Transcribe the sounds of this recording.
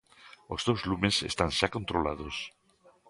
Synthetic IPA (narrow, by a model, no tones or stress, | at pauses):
ozðowzlumesḛst̪anʃakont̪ɾolað̞os